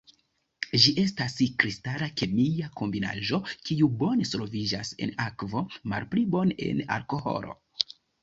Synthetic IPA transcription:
ʒiʔe̞staskɾistalake̞mijako̞mbina̰ʒo̞kiubo̞nesolvid͡ʒase̞̰nakvo̞ma̰lplibo̞ne̞̰na̰ɾko̞ho̞̰ɾo̞̰

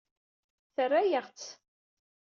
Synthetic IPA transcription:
θərːæjəʁt͡s

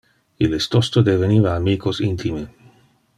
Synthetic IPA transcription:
ilest̪ost̪od̪evenivaːmiːkʰosint̪ʰime

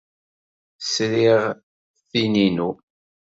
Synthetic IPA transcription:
sɾiʁ | θininu

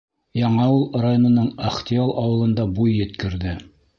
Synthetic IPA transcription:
jɑɴɑulˠrajonŏnɤɴɐχt̪ʲialˠʔɑwɤ̆lˠɤ̆nd̪ɑbujːɘ̆t̪kɘ̆ɾðɘ

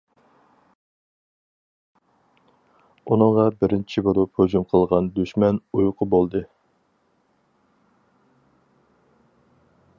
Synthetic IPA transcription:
unɨŋʁɑbɪɾɪnt͡ʃʰiboɾupʰhød͡ʒumqʰəlˠʁɑnd̪yʃmɛnujʊqʰʊbolˠd̪ɨ

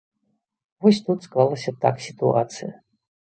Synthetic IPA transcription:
vɔsʲt̪ut̪sklˠalˠəsʲɐt̪a̰ksʲit̪uat̪sɨjɐ̰

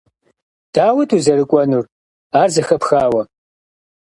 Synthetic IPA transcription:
d̥aːwɐtʰʼuːzɐɾɨkʷʼɔnur | aːrzɐxɐpxaːwɐ

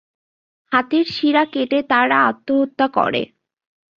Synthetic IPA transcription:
hat̪iɾʃiɾakeʈet̪aɾaat̪ːoɦot̪ːakɔ̰ɾḛ

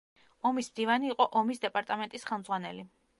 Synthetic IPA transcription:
ɔmismd̪ivaniːqʼɔʔɔmisd̪ɛpʼaɾt̪ʼamɛnt̪ʼisχɛlˠmd̪zʁwanɛ̰li

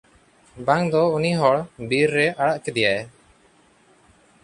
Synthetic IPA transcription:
baŋd̪ɔuniɦɔɭbiɾːɛʔaɽaʔkɛd̪ɛjaj

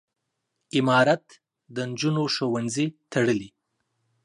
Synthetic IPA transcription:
ɪmɑɾat̪ | d̪ənd͡ʒunoʃowanzit̪ʰaɽəli

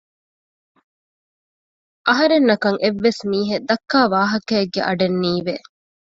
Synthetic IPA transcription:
ʔɐɦɐɾenːɐkɐŋʔeʋːesmiːɦed̪ɐkːaːʋaːɦɐkɐeɡːeʔɐɖenːiːʋe

